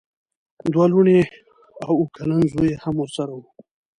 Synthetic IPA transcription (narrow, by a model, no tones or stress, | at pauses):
d̪waluɳe | awukʰalanzojehamwəɾsaɾawu